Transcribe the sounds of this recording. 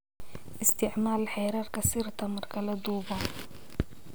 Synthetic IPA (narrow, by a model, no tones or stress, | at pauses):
ʔɪst̪ɪʕmaːlɪlħejɾˤɑːɾˤkasiɾt̪amɑɾˤkalad̪ˤuːba